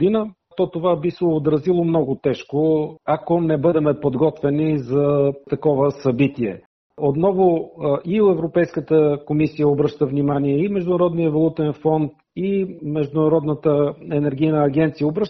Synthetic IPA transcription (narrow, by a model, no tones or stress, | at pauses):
d̪inə | t̪ɔt̪ovabisɛod̪ɾɐzilˠomnɔɡʊt̪ɛʃkoakonɛbɤd̪ɛmɛpod̪ɡɔt̪vɛnizɐt̪ɐkɔvəsɐbit̪iɛ̰ | ot̪nɔvoʔioɛvɾopɛjskət̪əkomisijəobɾɤʃt̪əvnimaniɛimɛʒd̪ʊnɐɾɔd̪nijɛvolˠut̪ɛnfɔnt̪ | imɛʒd̪ʊnɐɾɔd̪nət̪əɛnɛɾɡ̟ijnəːɡ̟ɛnt̪sijəobɾɤʃ